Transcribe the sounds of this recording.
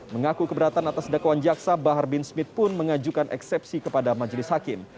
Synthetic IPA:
məŋakukəbəɾat̪anat̪asdakawand͡ʒaksabaɦarbɪnsmɪt̪̚pʊnməŋad͡ʒukanʔɛ̰ksɛpsikəpadamad͡ʒlɪshakɪm

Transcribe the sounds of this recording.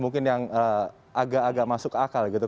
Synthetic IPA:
muŋkɪnjaŋə | aɡaʔːɡaʔmasʊkakalɡit̪u

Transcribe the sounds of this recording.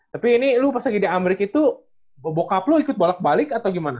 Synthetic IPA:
t̪apiːnilupərsaɡidiameɾɪkit̪u | bəbokaploikʊt̪̚bolak̚balɪkat̪awɡimana

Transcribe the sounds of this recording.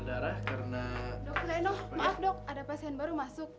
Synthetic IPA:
daɾahkaɾənadɔk̚t̪lanɔhmaafdɔk̚adapasiɛnbaɾumasʊk̚

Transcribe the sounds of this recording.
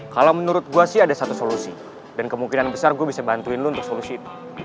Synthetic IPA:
kalawmənuɾʊt̪̚ɡuasɪɦadasat̪usolusi | dankəmuŋkinanbəsarɡuabisabant̪uɪnlount̪ʊk̚solusiːt̪u̥

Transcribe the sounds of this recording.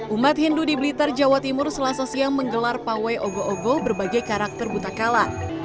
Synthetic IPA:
ʔumat̪̚hindudibəlit̪ard͡ʒawat̪imʊrsəlasasiaŋməŋɡəlarpawajɔɡoʔɔɡɔbərbaɡajkaɾak̚t̪ərbut̪akalan

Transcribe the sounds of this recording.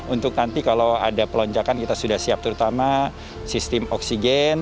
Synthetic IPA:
unt̪ʊk̚nant̪ikalowa̰dapəlɔɲd͡ʒakankit̪asudahsiap̚t̪əɾut̪ama | sist̪ɪmɔksiɡɛn

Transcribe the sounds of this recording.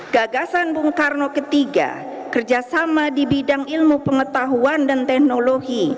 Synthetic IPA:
ɡ̥aɡasanbuŋkarnokət̪iɡa̰ | kərd͡ʒasamadibidaŋilmupəŋət̪aɦuandant̪ɛhnoloɡi

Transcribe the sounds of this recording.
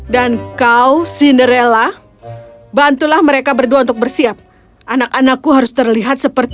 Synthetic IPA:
dankawsinəɾela | bant̪ulahməɾekabərduaunt̪ʊk̚bərsiap̚ | ʔanakanakːuɦaɾʊst̪ərliɦat̪̚səpərt̪

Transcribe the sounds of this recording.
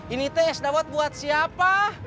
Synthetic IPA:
init̪ɛːsdawat̪̚buat̪̚siapa

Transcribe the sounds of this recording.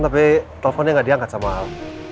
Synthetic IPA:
nt̪apit̪ɛlɛfɔnɲaŋadiaŋkasamal

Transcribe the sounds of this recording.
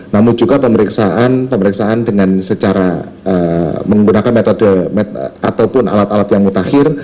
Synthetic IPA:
namʊnd͡ʒuɡapəməɾiksaʔanpəməɾiksaandəŋansət͡ʃaɾa | əməŋɡunakanmet̪ɔdəmet̪a̰t̪awpʊna̰lat̪alat̪jaŋmut̪ahɪr

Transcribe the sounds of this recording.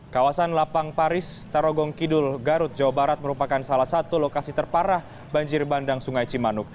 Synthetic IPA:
kawasanlapaŋpaɾɪst̪aɾɔɡɔŋkidʊlɡaɾʊt̪̚d͡ʒawabaɾat̪̚məɾupakansalahsat̪ulokasit̪ərpaɾah | baɲd͡ʒɪrbandaŋsuŋajt͡ʃimanʊk̚

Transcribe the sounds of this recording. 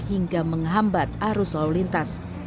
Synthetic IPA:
hiŋɡaməŋɦambat̪̚aɾʊsawlint̪as

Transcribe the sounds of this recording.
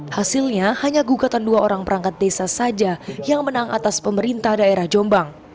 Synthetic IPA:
hasilɲahaɲaɡuɡat̪anduaʔoɾaŋpəɾaŋkat̪̚desasad͡ʒajaŋmənaŋa̰t̪aspəməɾint̪ahdaeɾahd͡ʒɔmbaŋ

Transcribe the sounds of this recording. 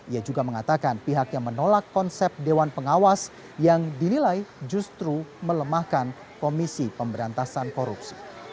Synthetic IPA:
ʔiad͡ʒuɡaməŋat̪akanpiɦakjaŋmənolakːɔnsɛp̚dewanpəŋawas | jaŋdinilajd͡ʒust̪ɾumələmahkan | komisipəmbəɾant̪asankoɾupsi̥

